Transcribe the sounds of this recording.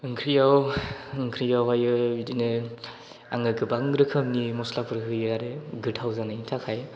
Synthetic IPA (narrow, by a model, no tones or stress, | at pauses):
ɯŋkʰɾijawɯŋkʰɾijawajɯbidinɯ | a̰ŋɯɡɯbaŋɾɯkʰɯmnimɔslapʰɯɾɦɯjɯaɾeɡɯtʰawzanaintʰakʰaj